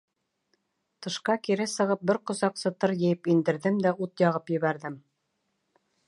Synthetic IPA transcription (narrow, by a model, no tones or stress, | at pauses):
t̪ɤ̆ʃqɑkiɾɘsɤ̆ʁɤp̚bɘɾqŏsɑqsɤt̪ɤɾjɘ̆jɘpind̪ɘ̆ɾðɘmd̪æut̪jɑʁɤpjɘ̆βæɾðɘm